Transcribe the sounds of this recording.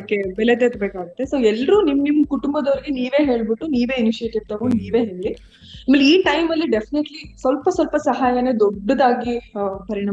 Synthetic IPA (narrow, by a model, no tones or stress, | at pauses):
akːebɛlet̪et̪beːkaːɡɐt̪ːe̞soːɛlːɐɾuːnimnimːkuʈumbɐd̪oɾiɡeniːʋe̞ːɦe̞ːɭbiʈːuniːʋe̞ːiniʃieːʈiʋt̪ɐʋuniːʋe̞ːɦeːli | amːɐlːeiːʈɐjmɐlːiɖefʰineʈlisʋɐlpɐsʋɐlpɐsɐɦaːjɐne̞d̪ɔɖːɐd̪aːɡipɐɾiɳɐ